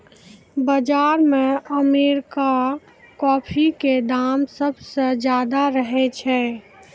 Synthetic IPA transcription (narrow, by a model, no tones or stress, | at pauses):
bəd͡ʒaːɾmeəmeɾka | kɔːpʰiked̪aːmsəbsəd͡ʒjaːd̪aɾəɦɛt͡ʃʰɛ